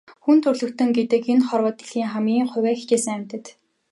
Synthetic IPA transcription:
xunt̪ʰɵrɮɵ̆kt̪ɵ̆ŋɡet̪ɘ̆kenχɔrwɔ̆ːt̪e̥ɮxiːŋχamɡʲiːŋχʊ̟wæːxit͡ɕeːsə̆ŋæm̥ʲt̪ɘ̆t̪

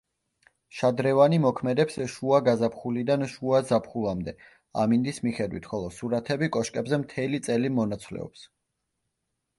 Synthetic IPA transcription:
ʃad̪ɾɛvanimɔkʰmɛd̪ɛpsʃuaɡazapχulid̪anʃuazapʰχulˠamd̪ɛ | a̰mind̪ismiχɛd̪wḭt̪ʰχɔlˠɔsuɾat̪ʰɛbikʼɔʃkʼɛbzɛmt̪ʰɛlit̪sʼɛlimɔnat̪sʰvlɛ̰ɔ̰ps

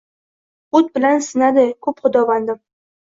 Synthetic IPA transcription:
ʊt̪̚bɪlansɪnad̪ɪkʰɵpχʊd̪ɒvand̪ɪm

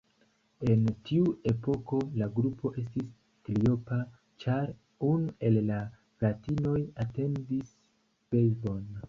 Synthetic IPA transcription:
e̞ntʰiue̞po̞ko̞laɡɾupʰo̞ʔe̞s̬tis | klio̞pa | t͡ʃaɾ | unue̞lːa | ɡatino̞jate̞ndis | b̥ejbo̞n

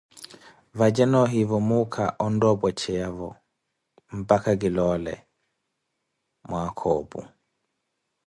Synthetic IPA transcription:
vad͡ʒɛnɔɦivɔmukʰa̰ʔɔndɔbɔt͡ʃɛavɔ | m̩pakaɡilɔlɛ̰ | mwakʰɔbṵ

